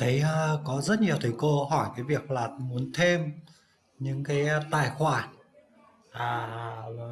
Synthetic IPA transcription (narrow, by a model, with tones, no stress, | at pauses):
t̪ʰə˨˦jʔəː˧kɔ˨˦zə˦˥t̚ɲi˨˩əwt̪ʰi˨˩jkə˧ɦɔ˧˩jkaː˨˦jvi˨˩ək̚laː˨˩mu˨˦ənt̪ʰe˧m | ɲɨ̰˧˥ŋkaː˨˦jt̪aː˧˩jxwaː˧˩n | ʔaː˨˩˨